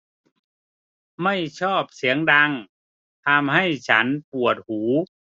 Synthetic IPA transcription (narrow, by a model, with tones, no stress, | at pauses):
ma˥˩jt͡ɕʰɔː˥˩p̚si˩˦əŋda˧ŋ | t̪ʰa˧mɦa˥˩jt͡ɕʰa˦˥npu˨˩ət̪̚huː˩˦